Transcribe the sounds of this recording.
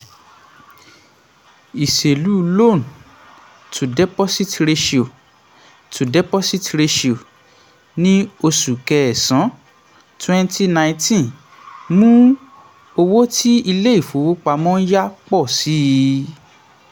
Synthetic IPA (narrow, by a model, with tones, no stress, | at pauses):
i˨ʃe˨lu˨˦lo˦˨n˨ | tʰu˨dɛ˦pɔ˦si˦tɾe˧ʃi˨o˨ | tʰu˨dɛ˦pɔ˦si˦tɾe˧ʃi˨o˨ | nĩ˦o˧su˨kɛ˧ɛ˨sã˨˦ | twɛ̃˦nti˧nã˧ĩ˧tĩ˦n | mũ˦ | o˧wo˦tʰi˦i˧le˦i˦˨fo˨˦wo˦k͡pa˧mɔ̃˦ja˦k͡pɔ˦˨si˨˦